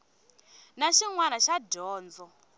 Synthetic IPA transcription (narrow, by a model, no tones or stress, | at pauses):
naʃiŋwanaʃadɔːnd͡zɔ